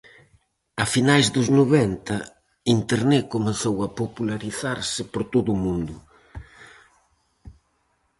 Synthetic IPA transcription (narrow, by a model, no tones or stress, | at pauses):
ɐfinajzd̪ʊznoβɛnt̪ɐ | int̪eɾnɛkomeθowɐpopulaɾiθaɾsɪpoɾt̪oðʊːmũnd̪ʊ